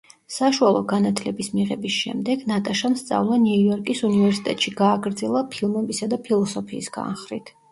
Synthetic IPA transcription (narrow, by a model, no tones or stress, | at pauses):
saʃualˠɔ̰ɡanat̪ʰlɛbismiʁɛbisʃɛ̰md̪ɛɡ̥nat̪ʼaʃamst̪sʼa̰vlˠaniujɔɾkʼisunivɛɾsi̥t̪ʼɛt̪ʼʃiɡaːɡɾd̪zɛlˠapʰilˠmɛbisad̪apʰilˠɔsɔpʰiːsɡ̥a̰nχɾit̪ʰ